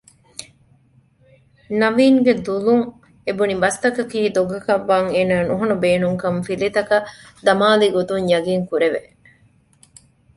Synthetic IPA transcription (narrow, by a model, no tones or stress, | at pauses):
nɐʋiːŋɡed̪uluŋ | ebunibɐst̪ɐkɐkiːd̪oɡɐkɐʋːaːŋeːnaːnuɦɐnubeːnuŋkɐɱfilit̪ɐkɐ | d̪ɐmaːliɡot̪uŋjɐɡiŋkuɾeʋe